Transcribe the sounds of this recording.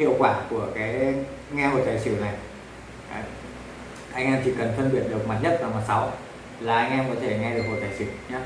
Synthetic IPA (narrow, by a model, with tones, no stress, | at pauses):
hḭ˧˨əwkwaː˧˩ku˧˩əkaː˨˦j | ŋɛ˧ho̰˧˨˩jt̪aː˨˩jsɨ˧˩na˨˩j | ʔa˧jŋ̟ʔɛ˧mt̪i˧˩kə˨˩nfʰə˧nɓḭ˧˩ənɗɨ˨˩ək̚ma˨˩t̚ɲə˦˥t̚vaː˨˩maː˨˩t̚sa˨˦w | laː˨˩ʔa˧jŋ̟ʔɛ˧mkɔ˨˦t̪ʰe˧˩ŋɛ˧ɗɨ˨˩ək̚ho̰˨˩t̪aː˨˩sɨ̰˧˩ɲaː˨˦